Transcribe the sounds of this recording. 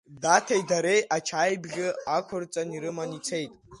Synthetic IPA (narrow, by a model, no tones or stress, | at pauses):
datʰejdaɾe̞jʔat͡ʃʰajbɡʲɪakʷʰʊrt͡sʼaniɾɨmanit͡sʰe̞jtʼ